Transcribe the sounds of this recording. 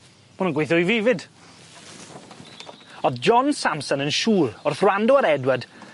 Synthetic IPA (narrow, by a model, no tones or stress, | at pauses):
mʊnənɡwejθɔiviːvɪd | ɔðd͡ʒɔnsamsənənʃuːrʊrθrwandɔəɾɛdwəd